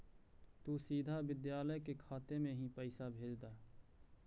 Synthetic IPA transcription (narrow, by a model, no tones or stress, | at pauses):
t̪uːsiːd̪ʱaʋɪd̪jaːləjkekʰaːt̪emẽɦĩpɛɪsabʱeːd͡ʒd̪aː